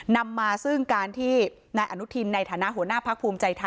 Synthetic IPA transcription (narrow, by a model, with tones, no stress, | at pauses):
na˧mːaː˧sɯ˥˩ŋkaː˧nt̪ʰiː˥˩ | naː˧jʔa˧˩nu˦˥t̪ʰi˧nːa˧jt̪ʰaː˩˦na˦˥ʔɦu˩˦ənaː˥˩pʰa˦˥k̚pʰuː˧mt͡ɕa˧jt̪ʰa˧